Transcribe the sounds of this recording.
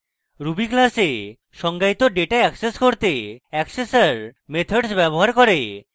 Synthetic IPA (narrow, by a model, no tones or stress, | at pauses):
ɾubiklase | ʃɔŋɡajt̪oɖeʈaɛkseskoɾt̪eɛksesaɾmet̪ʰoɖsbɛboɦaɾkoɾe